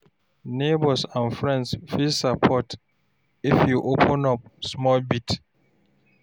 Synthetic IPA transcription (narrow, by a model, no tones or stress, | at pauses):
nebɔsãnfɹɛ̃ndsfilsapʰɔt | ifjuʔopʰɔ̃nɔp̚smɔlbit